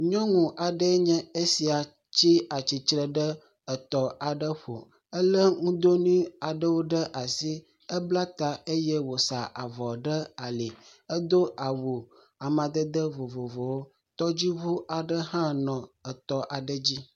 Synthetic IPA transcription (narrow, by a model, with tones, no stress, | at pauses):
ɲɔ̃˦ŋũ˨ʔa˨ɖə˦ɲɛ̃˦e˦si˨a˨ | t͡ɕi˦a˨t͡ɕi˨t͡ʃɾə˨ɖə˦ | ə˨t̪ɔ˨a˨ɖə˦ɸo˨ | ə˦lə˦ŋũ˦d̪o˦nĩ˦a˨ɖə˦wo˦ɖə˦ʔa˨si˦ | ə˦bla˦t̪a˦e˦jɛ˦wo˨sa˨ʔa˨vɔ˨ɖə˦a˨le˨ə˦d̪o˦ʔa˨wo˨ | a˨mã˨d̪ə˦d̪ə˦vo˨vo˨vo˨wo˦ | t̪ɔ˦d͡ʑi˦βu˦ʔa˨ɖə˦ɦã˦nɔ̃˨ə˨t̪ɔ˨ʔa˨ɖə˦d͡ʑi˦